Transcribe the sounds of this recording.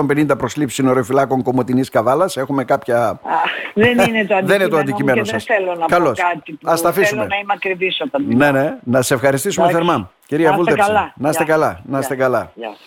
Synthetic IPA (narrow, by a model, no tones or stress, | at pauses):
ombe̞nind̪ɐpɾo̞slipssino̞ɾeofilɐko̞ŋko̞mo̞t̪iniskɐvɐlɐse̞xume̞kɐpçɐ | ðeninet̪oɐðeninet̪oɐnd̪icime̞noðɐsθelonɐkɐlokɐt̪ipɐst̪ɐfiumenɐimɐkɾivisot̪ɐnd̪inene̞nɐsefxɐɾist̪isumeθeɾmɐmciɾiɐvulɐslɐnɐst̪ekɐlɐnɐst̪ekɐlɐ